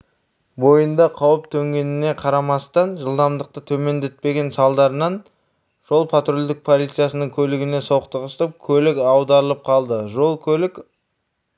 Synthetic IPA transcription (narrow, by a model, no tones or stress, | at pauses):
bo̞jənd̪ɑqʰɑwəpt̪ʰɵŋɡʲe̞nɪne̞qʰɑɾɑmɑst̪ɑnʒəlˠd̪ɑmd̪əq̚t̪ət̪ʰɵme̞nd̪et̪̚pe̞ɡʲe̞nsɑlˠd̪ɑɾənɑn | ʒ̥o̞lˠpʰat̪rolʲd̪ɪk̚pʰolˠit̪sɨijasənəŋkʲʰɵlɪɡʲɪne̞so̞qt̪əʁəst̪əp̚kʲʰɵlɪkɑwd̪ɑɾəlˠəp̚qʰɑlˠd̪əʒolˠkʲʰɵlɪk